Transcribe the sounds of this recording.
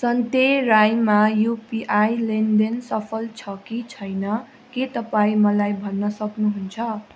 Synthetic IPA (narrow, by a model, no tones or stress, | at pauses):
sʌnt̪erajmajupiʔajlend̪ensʌpʰʌlt͡sʰʌkit͡sʰʌjnʌ | ket̪ʌpaĩmʌlajbʱʌnːʌsʌknuɦunt͡sʰʌ